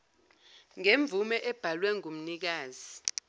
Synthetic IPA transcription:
ŋeɱb̪vʱumɛʔɛb̥ʱalwɛŋum̩nik̬aːzi

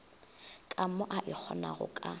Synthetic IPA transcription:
kʼamɔʔaʔɪk͡xʰɔnaɣʊ̰kʼa

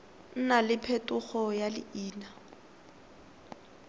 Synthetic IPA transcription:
n̩nalɪpʰetʼʊχɔjalɪ̰ʔiːna

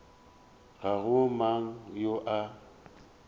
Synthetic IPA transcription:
ɣaɣʊmaŋ̩joʔa

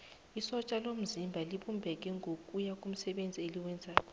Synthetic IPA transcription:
isɔt͡ʃʼalom̩zimbʱaliɓumbʱɛk̬ʼɛŋʱokʼujakʼum̩sɛɓend͡zʱieliwɛnd͡zʱaːkʼɔ

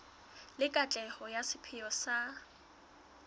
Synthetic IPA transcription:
lɪkʼat͡ɬʼɛhɔjasɪpʰɪjɔsa

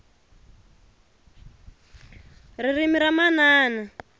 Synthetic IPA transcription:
ririmiɾamanaːna

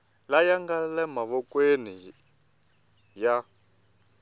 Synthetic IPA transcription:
lajaŋɡalɛmaβɔkʼweni | ja

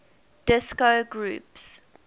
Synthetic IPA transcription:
d̥ɪskoɡɹṵːps

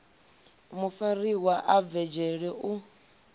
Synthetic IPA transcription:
mufariwaʔavɛd͡ʒɛɺɛʔu

